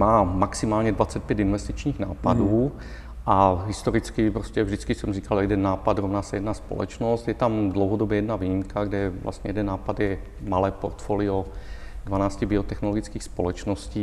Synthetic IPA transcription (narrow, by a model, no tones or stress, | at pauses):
maːmaksimaːlɲɛdvat͡sɛt̪̚pjɛt̪invɛst̪it͡ʃɲiːɣnaːpaduː | ʔaɦɪst̪oɾɪt͡skɪpɾoscɛvʒdɪt͡skisɛmriːkaljɛdɛnːaːpad̪ɾovnaːsɛjɛdnaspolɛ̰t͡ʃnost̪jɛt̪amdlowɦodobjɛjɛdnaviːɲimkaɡdɛvlʔa̰st̪ɲɛjɛdɛnːaːpad̪jɛ | malɛːpoɾt̪foliodvanaːscibiot̪ɛxnoloɡit͡skiːxspolɛt͡ʃnosciː